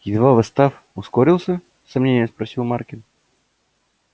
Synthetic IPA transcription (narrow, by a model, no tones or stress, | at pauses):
ɪd̪vavɨst̪af | ʊskoɾʲilˠsʲə | sɐmnʲenʲɪjəspɾɐsʲilˠmarkʲɪn